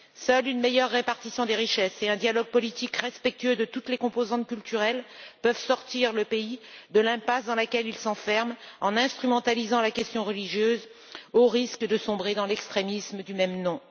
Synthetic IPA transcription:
sœlynmejœʁːepaʁt̪isjɔ̃d̪eʁiʃɛseɛ̃d̪jalɔɡ̚pɔlit̪ikʁɛspɛk̚t̪yød̪ət̪ut̪lekɔ̃pozɑ̃t̪̚kʲylt̪yʁɛlpœvsɔʁt̪iʁləpeid̪əlɛ̃pasd̪ɑ̃lakʲɛlilsɑ̃fɛʁmɑ̃nɛ̃st̪χymɑ̃t̪alizɑ̃lakʲɛst̪jɔ̃ʁəliʒjøz | oʁiskd̪əsɔ̃bʁed̪ɑ̃lɛkst̪χemisməd̪ymɛmnɔ̃

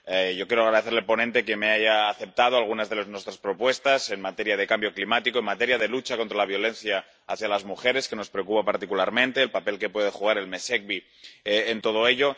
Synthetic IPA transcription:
ʝo̞kjeɾoaɣɾaðeθeɾlelpo̞nent̪e̞ke̞meajaːθe̞p̚t̪að̞oalɣunazðe̞leznwe̞st̪ɾaspɾo̞pwe̞st̪ase̞nmat̪e̞ɾjað̞e̞kambjoklimat̪ikoenmat̪e̞ɾjað̞e̞lut͡ʃako̞nt̪ɾalaβ̞jo̞lẽ̞n̟θjaː | θjalazmuxe̞ɾe̞ske̞no̞spɾeokupapaɾt̪ikulaɾmẽnt̪e̞ːlpape̞lke̞pwe̞ð̞e̞xuɣ̞aɾe̞lme̞se̞k̚βi | eːnt̪o̞ð̞o̞e̞ʎo̞

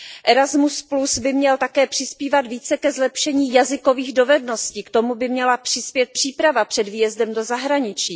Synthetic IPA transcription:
ʔɛɾazmusplusbɪmɲɛlt̪akɛːpr̥ɪspiːvat̪viːt͡sɛkɛzlɛpʃɛɲiːjazɪko̞viːɣdo̞vɛdno̞sciːkt̪o̞mubɪmɲɛlapr̝̥ɪspjɛt̪̚pr̥iːpɾavapr̝̥ɛdviːjɛzdɛmdo̞zaɦɾaɲɪt͡ʃiː

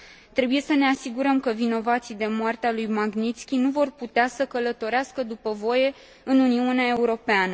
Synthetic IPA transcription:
t̪ɾe̞buje̞səne̞asiɡuɾəmkəvino̞vat̪sijd̪e̞moart̪ealujmaɡnit̪skʲinuvo̞rput̪easəkələt̪o̞ɾeaskəd̪upəvo̞je̞ | ɨnuniuneae̞uɾo̞peanə

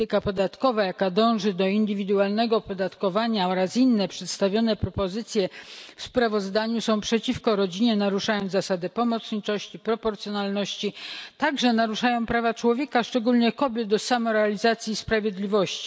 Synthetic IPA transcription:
t̪ɘkapɔd̪at̪kɔvajakad̪ɔ̃w̃ʐɘd̪ɔind̪ɘvʲid̪ualnɛɡɔpɔd̪at̪kɔvaɲaɔɾasinːɛpʂɛt̪st̪avʲjɔnɛpɾɔpɔzɘt̪sʲjɛfspɾavɔzd̪aɲusɔ̃w̃pʂɛt͡ɕifkɔɾɔd͡ʑiɲɛnaɾuʂajɔ̃ñzasad̪ɘpɔmɔt̪sɲit͡ʂɔɕt͡ɕipɾɔpɔɾt̪sjɔnalnɔɕt͡ɕit̪aɡʐɛnaɾuʂajɔ̃w̃pɾavat͡ʂwɔvʲjɛkaʂt͡ʂɛɡulɲɛkɔbʲjɛd̪̚d̪ɔsamɔɾɛalʲizat̪sʲjispɾavʲjed̪lʲivɔɕt͡ɕi̥

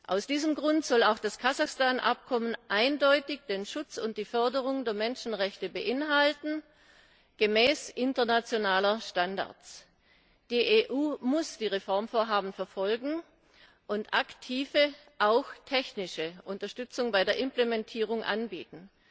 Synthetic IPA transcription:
ʔaʊsd̥iːzəmɡʁʊntz̥ɔlaʊxd̥askʰazaxstaːnʔa̰p̚kʰɔmənʔaɪndɔʏtɪçd̥eːnʃʊt͡sʊnt̚d̥iːfœɐdəʁ̞ʊŋdeːɐmɛnʃn̩ʁɛçtəbəʔɪnɦaltn̩ | ɡ̥əmɛːsʔɪntɐnat͡sjonaːlɐʃtanda̰ɐt͡s | d̥iːʔeːʔuːmʊsd̥iːʁefɔɐmfoːɐɦaːbm̩fɛɐfɔlɡŋ̩ | ʔʊntʔaktʰiːvə | ʔaʊxtʰɛçnɪʃəʔʊntɐʃtʏt͡sʊŋbaɪdeːɐʔɪmplemɛntʰiːʁ̞ʊŋʔa̰nbḭːtn̩

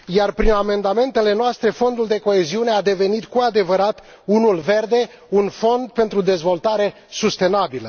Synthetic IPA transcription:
jarpɾiname̞nd̪ame̞nt̪e̞le̞noast̪ɾe̞fo̞nd̪uld̪e̞ko̞e̞ziune̞ad̪e̞ve̞nit̪kuad̪e̞vəɾat̪ | unulve̞rd̪e̞ | unfo̞nd̪̚pe̞nt̪ɾud̪e̞zvo̞lt̪aɾe̞ | sust̪e̞nabilə

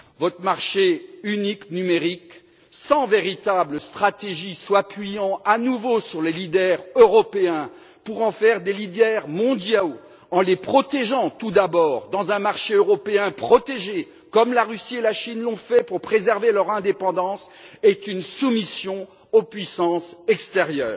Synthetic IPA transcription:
vɔt̪χəmaʁʃeyniknymeʁik | sɑ̃veʁit̪abləst̪χat̪eʒiswapɥijɑ̃anuvosyʁlelid̪ɛʁøʁɔpeɛ̃ | puʁɑ̃fɛʁd̪elid̪ɛʁmɔ̃d̪ja | ɑ̃lepχɔt̪eʒɑ̃t̪ud̪abɔːʁd̪ɑ̃zɛ̃maʁʃeøʁɔpeɛ̃pχɔt̪eʒe | kɔmlaʁysielaʃinlɔ̃fɛpuʁpχezɛʁvelœʁɛ̃d̪epɑ̃d̪ɑ̃sɛt̪ynsumisjɔ̃ | opɥisɑ̃sɛkst̪eʁjœ̰ːʁ

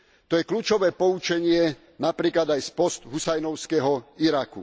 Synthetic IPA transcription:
t̪ɔjɛkluːt͡ʃɔʋɛːpɔut͡ʃɛɲɪɛ | napɾiːklad̪ajspɔst̪ɦusajnɔʊskɛɦɔiɾakṵ

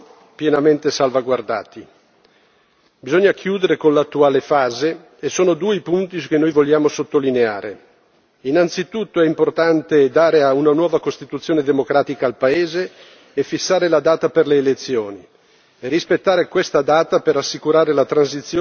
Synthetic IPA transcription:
pjenament̪esalvaɡward̪a̰ːt̪i | bizoɲːak̟ʰjuːd̪eɾekonlat̪ːuaːlefaːze | esoːnod̪uːepunt̪iskenːojvoʎːaːmosot̪ːolinea̰ːɾe | inant̪sit̪ut̪ːoɛimport̪ant̪ed̪aːɾeaunanwɔːvakost̪it̪ut̪sjoːned̪emokɾaːt̪ikaːlpaeːzeː | fːisːaːɾelad̪aːt̪aperleːlet̪sːjoːni | erispet̪ːaːɾekwest̪ad̪aːt̪apeɾasːikuɾaːɾelat̪ɾansit̪sːjo

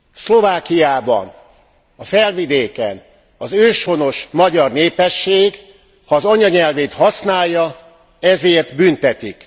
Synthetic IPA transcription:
slo̞vaːkijaːbɒ̰n | ɒfɛlvid̪eːkɛ̰n | ɒzøːʃho̞no̞ʃmɒɟɒrneːpɛʃːeːɡ | hɒːzɒɲɒɲɛlveːt̪hɒsnaːjːɒ | ɛzeːrt̪bynt̪ɛt̪ik

